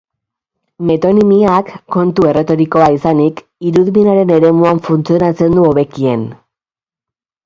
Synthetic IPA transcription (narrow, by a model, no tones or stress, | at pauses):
me̞t̪o̞nimiakːo̞nt̪ue̞re̞t̪o̞ɾiko̞aisanik | iɾuðminaɾe̞ne̞ɾe̞muaɱfunt͡sio̞nat͡se̞nd̪uo̞βe̞kie̞n